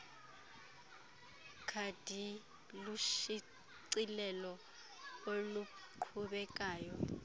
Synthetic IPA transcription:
kʰad̥ʱi | luʃi | ǀilɛlɔ | oluǃʰuɓɛk̬ʼaːjɔ

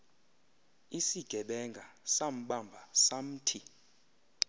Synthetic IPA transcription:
isiɡ̥ʱɛɓɛŋɡʱasam̩ɓambʱasam̩ːtʰi

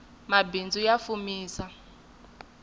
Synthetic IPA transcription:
mabind͡zʱujafumiːsa

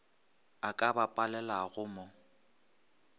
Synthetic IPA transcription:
akʼabapʼalɛlaɣʊmɔ

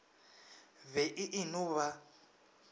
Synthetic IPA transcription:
βɛʔiʔinuβa

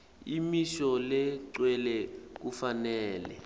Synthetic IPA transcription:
imiʃɔlɛǀwɛlɛk̬ufanɛːlɛ̰

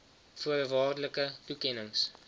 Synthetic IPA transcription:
fuəɾəvɑːrdələkətukɛnəŋs

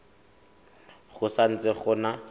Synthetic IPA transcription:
χʊsan̩t͡sɪχʊna

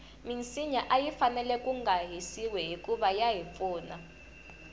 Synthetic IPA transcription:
mint͡siɲaʔajifanɛlɛkʼuŋɡaɦisiwɛɦikʼuɓajaɦifuːna

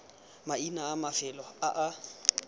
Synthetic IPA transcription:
mainaːmafɪlɔaʔa

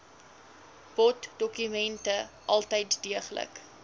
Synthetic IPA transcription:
b̥ɔtdɔkymɛntə | ʔɐlˠtəjtdiəχlə̰k

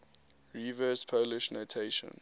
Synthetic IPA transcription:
ɹivəspʰoʊlɪʃnotʰeɪʃə̰̃n

